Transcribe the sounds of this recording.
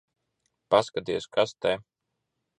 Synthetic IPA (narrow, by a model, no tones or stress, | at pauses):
paskat̪iɛskʰast̪ɛ